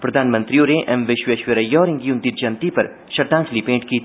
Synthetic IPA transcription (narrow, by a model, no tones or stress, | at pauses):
pɾɐd̪ʱaːnmə̃nt̪ɾiõneʔɛmʋɪʃweʃʋəɾɐjːɔːɾɪ̃ŋɡiʊnd̪it̪̚d͡ʒɐnt̪ipɐɾ | ʃɐɾd̪ãːŋkʰlipẽːɳʈkiː